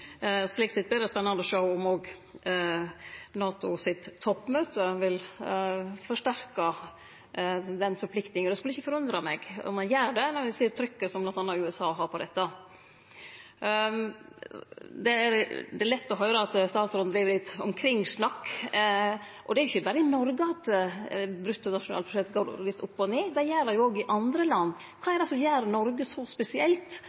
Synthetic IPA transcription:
sliːksɛt̪̚b̪ɛd̪ɛspɛnːɑnd̪əɔʂəʊʊmoːɡ | nɑːt̪ʊsɪt̪ʰːɔpːmøːt̪əʋɪl | fɔʂʈæɾkɑ | d̪ɛnfɔɾplɪkt̪nɪŋənɛskʉlːɪçːəfɔɾʉnd̪ɾɑmɛɡɔ̰mɛnjæːɾɖɛnɔɾʋɪsiːɾt̪ʰɾʏkːəsɔmblɑnt̪ɑnɑʉɛsɑːɦɑɾpʰɔd̪ɛt̪ːɑ | d̪ɛæɾd̪ɛælɛt̪ːɔɦœʏɾəɑt̪st̪ɑːt̪sɾʊnd̪ɾiːʋəɾlɪt̪ːɔmkʰɾɪŋːsnɑkː | ʔɔd̪ɛæɾjɪçːəbɑːɾəɪnɔɾɡəɑt̪ː | bɾʉt̪ːənɑʂʊnɑ̰lpʰɾʊʃɛt̪ːɡoːlɪt̪ːʊpːɔneːd̪æjæːɾɑjʊoːɡɪʔɑnd̪ɾəlɑnː | kʰɑːɛɾɛsɔmjæːɾnɔɾɡəsɔspɛsɪɛlt̪

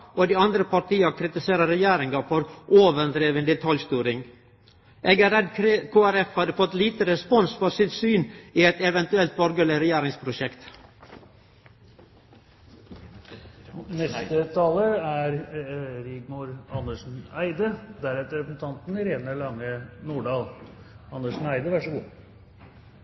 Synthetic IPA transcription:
oːd̪iːɑnd̪ɾəpʰɑt̪iːɑkʰɾɪt̪ɪseːɾəɾɛjæːɾɪŋɡɑfɔɾʔoːʋəd̪ɾeːʋənd̪ət̪ʰɑlst̪yːɾɪŋ | ʔeːɡæɾɛd̪kʰoːæɾɛfhɑd̪əfɔt̪liːt̪əɾɛspɔnsfɔsɪt̪syːniːɛt̪ɛʋɛnt̪ʉɛlt̪̚bɔɾɡəlɪɾɛjæːɾɪŋspʰɾʊʃɛkt̪ | nɛst̪ət̪ʰɑːləæɾɾɪɡmuːɾɑnəʂn̩æɪd̪əd̪æɾɛt̪əɾɛpəsn̩t̪ʰɑnt̪n̩ɾeːnəɭɑŋːənuːɖɑːl | ɑnəʂn̩æɪd̪əʋæʂəɡṵː

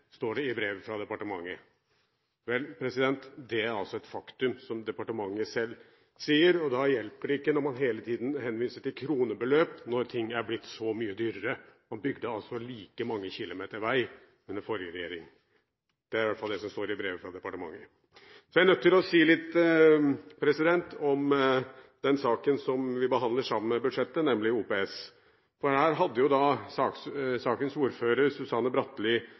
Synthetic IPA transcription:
st̪oːɖɛɪbɾeːʋfɾɑd̪ɛpɑʈəmɑŋːə | ʋɛlpʰɾɛsɪd̪ɛnt̪d̪ɛæɾɑlsɔɛt̪fɑkt̪ʉmsɔmd̪ɛpɑʈəmɑŋːəsɛlː | siːəɾɔd̪ɑjɛlpəɖɪkːənɔɾmɑnɦeːlət̪ʰiːd̪nhɛnʋiːsəʈɪlkʰɾuːnəbəløːpnɔɾt̪ʰɪŋːæɾblɪt̪ːsɔmyːəd̪yːɾəɾəmɑnbʏɡd̪əɑlsɔliːkəmɑŋːəçɪlʊmeːt̪əɾʋæɪ | ʉnːəɾfɔɾjəɾɛjḛːɾɪŋ | d̪̥ɛæɾʋæt̪fɑld̪ɛsɔmst̪oːɾɪbɾeːʋəfɾɑd̪ɛpɑʈəmɑ̰ŋːə | sɔjæɾnœt̪ːɪlɔsiːlɪt̪ː | pʰɾɛsɪd̪ɛnt̪ɔm | d̪̥ɛnsɑːkənsɔmʋɪbəɦɑnd̪ləʂɑmənɛbʉd̪ʂɛt̪ːənɛmlɪuːpeːɛs | fɔɾhæːɾɦɑd̪ːəjʊd̪ɑsɑːsɑːkənsuːɾføːɾəɾsʉsɑnːəbɾɑt̪ːliː

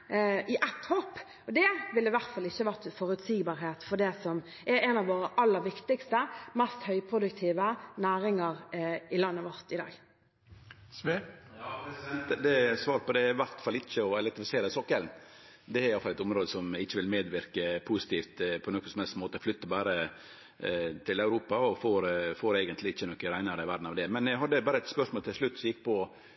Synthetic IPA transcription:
ɪʔɛt̪ːhopː | ɔd̪ɛʋɪlːɪʋæɾt̪fɑlɪçːəɑʋæʁt̪fɔɾʉt̪siːɡbɑːɾɦeːt̪fɔd̪ɛsɔm | ʔɛɾɛnɑʋoːɾəʔɑlːəɾʋɪkt̪ɪkst̪əmɛst̪hœʏpʰɾʊd̪ʉkt̪ʰiːʋənæːɾɪŋəɾɪlɑnːəʋɔɾt̪ɪd̪ɑ̰ːɡ | t̪d̪ɛsʋɑːɾpʰɔd̪ɛɪʋæɾt̪fɑlːɪçːəɔɛlɛnt̪ɪfɪseːɾəsɔkːɛln | d̪ɛæɾjɑlfɑlɛt̪ʊmɾoːd̪əsɔmɪçːəʋɪlmeːd̪ʋɪɾkəpʰusɪ̥t̪iːft̪pʰɔnɔkːənsɔmhɛlst̪moːt̪əɔflʏt̪ːəbɑːɾə | t̪ʰɪlæʉɾuːpɑɔfoːɾfoːɾeːɡənt̪lɪɪçːənɔkːəɾæɪnəɾəɪʋæɾɖn̩ɑʋd̪ɛmɛnæɦɑd̪ːəbɑːɾəɛt̪spœʂmoːlt̪ɪlʂɭʉt̪ːsɔjɪkːpʰɔ

